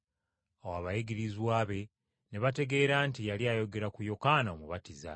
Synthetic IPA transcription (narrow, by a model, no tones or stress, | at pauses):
awaβajiɡiɾizwaːβe̞ | ne̞βate̞ɡe̞ːɾaːntijaliajo̞ɡe̞ɾakujo̞kaːnaomuβatiza̰